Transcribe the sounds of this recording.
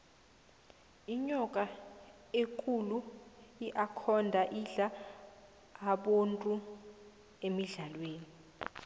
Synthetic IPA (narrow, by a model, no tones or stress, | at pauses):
iɲɔkʼa | ekʰʼuluiʔakʰɔndʱaʔiɮa | ɓontʼu | emiɮalweːni